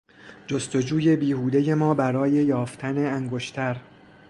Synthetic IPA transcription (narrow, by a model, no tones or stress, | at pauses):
d͡ʒost̪o̞d͡ʒuːje̞biːhuːd̪eje̞mɒːbæɾɒːje̞jɒːft̪ʰæneæŋɡo̞ʃt̪ʰæɾ